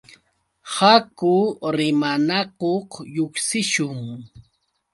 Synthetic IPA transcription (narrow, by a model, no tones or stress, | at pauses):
hakʊɾɪmanakoqjoksɪʃʊŋ